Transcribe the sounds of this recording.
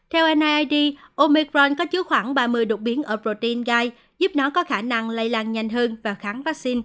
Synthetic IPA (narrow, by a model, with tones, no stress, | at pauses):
t̪ʰɛ˧wʔɛ˧nʔaː˧jʔaː˧jɗi˧ʔo˧mi˧kɾɔ˧nkɔ˨˦t͡ɕɨ˨˦xwaː˧˩ŋɓaː˧˩mɨ˧əjɗo˨˩t̚ɓi˨˦ənʔəː˧˩pɾo˧˩t̪i˧nɣaː˧j | zu˦˥p̚nɔ˨˦kɔ˨˦xaː˧˩na˧ŋla˧jlaː˧nɲa˨˩jŋ̟ɦəː˧nvaː˨˩xaː˨˦ŋvaː˦˥k̚si˧n